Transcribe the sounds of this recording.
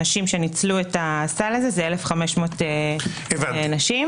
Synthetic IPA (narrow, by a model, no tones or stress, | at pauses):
naʃimʃe̞nit͡sluetastalazezeelefχameʃmo̞te | evannaʃim